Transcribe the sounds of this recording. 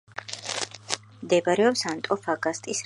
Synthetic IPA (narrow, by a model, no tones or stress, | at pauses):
md̪ɛbaɾɛɔpsant̪ʼɔfaɡast̪ʼis